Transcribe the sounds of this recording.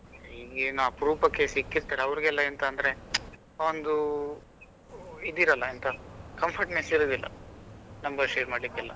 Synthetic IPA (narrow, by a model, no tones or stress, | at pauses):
ɦiːɡenaːpɾuːpɐkːesikːiɾt̪aːɾeɐʋɾiɡɛlːɐɛnt̪ɐːnd̪ɐɾe̞ | ond̪u | id̪iːɾɐlːɐint̪ɐkɐmpʰɐɾʈmesiɾoːd̪ilːʔɐ̰nɐmbɐɾʃeːɾmaːɖlikːɛlːɐ̰